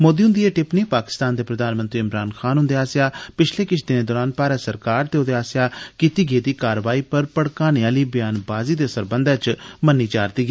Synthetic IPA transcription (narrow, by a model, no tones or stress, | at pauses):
moːd̪iːɦʊnd̪ieːʈɪpneːpaːkɪ̥st̪aːnd̪eːpɾəd̪aːnmənt̪ɾiːɪmɾaːnxʰaːnɦʊnd̪eːaːsɪjaːpɪt͡ʃʰleːkɪt͡ʃʰd̪ɪneːd̪ɔːɾaːnpaːɾaːsəɾkaːɾt̪eːod̪eːaːsɪjaːkiːt̪iːɡeːd̪iːkaːɾəʋaːiːpəɾpəɽkaːneaːliːbɪjaːnbaːziːd̪eːsəɾbənd̪at͡ʃmənːiːt͡ʃaːɾt̪iːɡeː